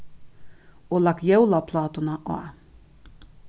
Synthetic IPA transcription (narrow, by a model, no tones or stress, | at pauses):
olːɑkjɛwlɑpʰlɑːt̪unɑʔɑ̰